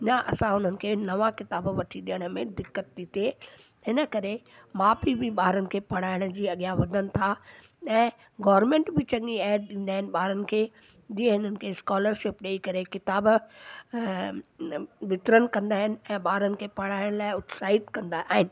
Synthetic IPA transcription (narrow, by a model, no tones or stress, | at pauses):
naʔɐ̰sãɦʊn̤ənɪ̆kʰeːnɐʋãkɪt̪aːbʋɐʈʰiɗiəɽ̃ə̆mẽd̪ɪkːət̪ːit̪eː | ɦɪnə̆kɐɾe | maːpibɪɓaːɾənɪ̆kʰeːpɐɽ̤aːɪɽ̃ə̆d͡ʑiːɐɠijaʋɐd̪ʱənɪ̆t̪ʰa | ɛ̃ː | ɡɔːʋəɾmẽːɳʈbɪt͡ɕɐ̃ŋiɛːɖ̚ɗĩːn̆d̪aːɦɪnɪ̆ɓaːɾənɪ̆kʰeː | d͡ʑiːə̃ɦɪnənɪ̆kʰeːskɔːləɾʃɪpɗeːikɐɾekɪt̪aːb | ʋɪt̪ɾənɪ̆kɐ̃nd̪aːɦɪnɪ̆ɛ̃ːɓaːɾənɪ̆kʰeːpɐɽ̤aːɪɽ̃laːɪʊt̪saːɪt̪kɐ̃nd̪aʔaːɦɪnɪ̆